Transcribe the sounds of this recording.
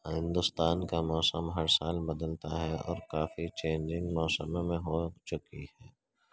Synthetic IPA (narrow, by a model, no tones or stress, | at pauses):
hɪ̃nd̪ʊst̪aːnkamɔːsəmɦɐɾsaːlbɐd̪əlt̪aɦɛɔ̰ːɾkaːfit͡ʃẽːɲd͡ʒɪ̃ŋɡmɔːsəmemẽɦot͡ʃʊkihɛː